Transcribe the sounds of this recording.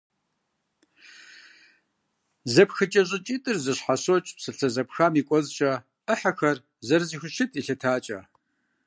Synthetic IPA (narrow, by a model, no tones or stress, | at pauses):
zɐpxɨt͡ʃʼɐʑʼɪt͡ʃʼiːtʼɨrzɨɕħasot͡ʃʼpsɨɬɐzɐpxaːmiːkʷʼɔzt͡ʃʼɐ | əħaxɐr | zɐɾziːxʷʊʃɪtʼiːɬɐtʰaːt͡ʃʼɐ̰